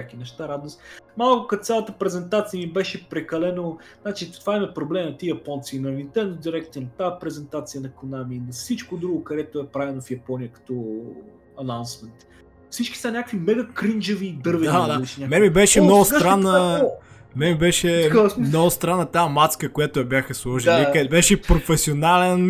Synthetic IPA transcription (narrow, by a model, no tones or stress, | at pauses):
akinɛʃt̪aɾad̪nosmalˠkʊkɐsʲalˠət̪əpɾɛzɛnt̪at̪sijəmibɛʃɛpɾɛkɐlɛnoznat͡ʃit̪ovaimɐpɾoblɛmnɐt̪ijɐpɔnt̪sinɐvint̪ɛɾnɛt̪d̪iɾɛkt̪inɐt̪apɾɛzɛnt̪at̪sijənɐkonamiːnɐfsit͡ʃkod̪ɾuɡokɐɾɛt̪oɛpɾavɛlˠnofjɐpɔnijəkɐ̥t̪ɔ | ɐnawnsmɛnt̪ | fsit͡ʃki̥sanʲakəkvimɛɡɐkɾind͡ʒevid̪ɤɾvɛid̪aliʃnʲamɛmibɛʃɛmnnɔɡʊst̪ɾanːə | mɛmibɛʃɛsmmnɔɡʊst̪ɾanːət̪amat̪skəkojat̪ojɐbʲjaxəslˠɔʒilikbɛʃɛpɾofɛsionalɛn